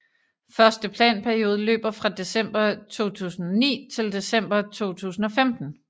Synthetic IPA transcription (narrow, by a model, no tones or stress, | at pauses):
fɶɐsd̥əpʰlɛ̰ːnpʰæɐio̝ːð̞ˠəlø̰ːb̥ɐfʁɑ̈d̥e̝sem̰b̥ɐt͡sʰo̝̰ːt͡sʰṵːsn̩ɒnḭːt͡sʰe̝ld̥e̝sem̰b̥ɐt͡sʰo̝̰ːt͡sʰṵːsn̩ɒ̽femd̥n̩